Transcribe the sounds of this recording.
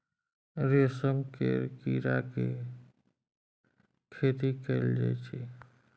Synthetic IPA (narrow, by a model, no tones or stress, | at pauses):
ɾesəmkḛɾkiɾake | kʰet̪ikɛld͡ʒa̰jt͡ʃʰe